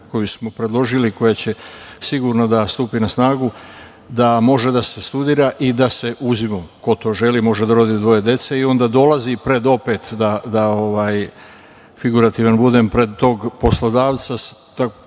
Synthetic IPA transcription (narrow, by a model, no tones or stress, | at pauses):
ko̞jusmopɾe̞d̪lo̞ʒiliko̞jat͡ɕe̞siɡuɾnod̪ast̪uːpinasnaːɡu | d̪amo̞ʒe̞d̪ase̞st̪ud̪iːɾaʔid̪ase̞ʔuzimoko̞t̪o̞ːʒe̞limo̞ʒed̪aɾo̞d̪id̪ʋo̞je̞d̪je̞t̪se̞io̞nd̪aːd̪o̞lazipɾe̞d̪o̞pe̞t̪d̪ad̪ao̞ʋaːj | fiɡuɾat̪iːʋanbud̪e̞mpɾe̞d̪̚t̪ːo̞ːɡpo̞slod̪aːʋt̪sast̪a